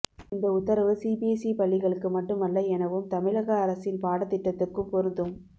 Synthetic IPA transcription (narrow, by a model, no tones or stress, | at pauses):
ɪnd̪ɐʊt̪ːɐɾɐʋɯsiːbiesipɐɭːɪɣɐɭɯkːɯmɐʈːɯmɐɭːɐɛnɐʋɯmt̪ɐmɪɻɐɣɐɐɾɐsɪnpaːɽɐt̪ːɪʈːɐt̪ːɯrkɯmpɔɾɯnd̪ɯm